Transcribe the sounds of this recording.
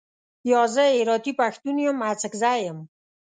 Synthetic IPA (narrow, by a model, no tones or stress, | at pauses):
jɔzəeɾɔt̪ipaxt̪unijomat͡səkzajəm